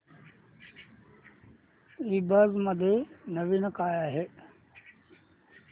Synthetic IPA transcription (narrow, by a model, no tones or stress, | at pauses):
ibəzmɐd̪ʱenəʋinəkaːjaːɦe